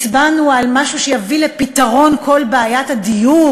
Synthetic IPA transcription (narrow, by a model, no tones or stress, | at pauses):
t͡sbanualmaʃuʃejavilepitaʁo̞nkʰo̞lbeajathadiju